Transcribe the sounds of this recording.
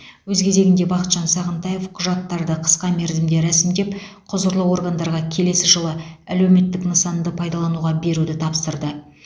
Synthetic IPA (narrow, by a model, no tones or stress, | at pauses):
wɵzkʲʰe̞ze̞ɡʲɪnd̪e̞bɑqət̪ʒ̥ɑnsɑʁənt̪ɑje̞fqʰʊʒɑt̪ːɑɾd̪əqʰə̥sqɑme̞ɾzɪmd̪eɾæsɪmd̪e̞p | qʰʊzəɾlˠəwo̞rɡand̪ɑɾʁɑkʲʰe̞le̞sɪʒəlˠəælewme̞t̪ːɪknəsɑnd̪əpʰɑjd̪ɑlˠɑnuʁɑbe̞ɾud̪ɪt̪ʰɑpst̪əɾd̪ə